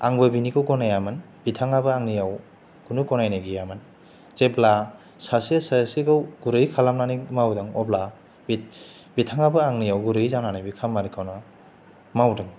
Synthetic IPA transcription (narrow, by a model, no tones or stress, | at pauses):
a̰ŋbɯbinikɯwɡɔnajamɯn | b̥itʰaŋabɯaŋnijaw | ɡ̥unuɡɔnajnaɡijamɯn | t͡ʃebla | sasisasiɡɯwɡ̥uɾɯjkʰalamnanimawdɯŋɔbla | bit̚ | bitʰaŋabɯaŋnijawɡuɾɯjzananajbikʰamːaɾikʰawnɯ | mawdɯŋ